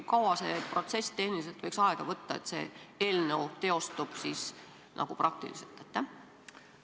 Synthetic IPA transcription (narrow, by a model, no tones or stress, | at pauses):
kɑwɑsepro̞t̪se̞st̪e̞hnilise̞lt̪vɤjksɑeɡ̥ɑvɤt̪ːɑe̞t̪se̞̰ːe̞ːlnewt̪e̞o̞st̪ub̥siːs | nʔɑ̰ɡ̥uprʔɑk̚t̪ḭlisḛlt̪ːˑet̪ːæ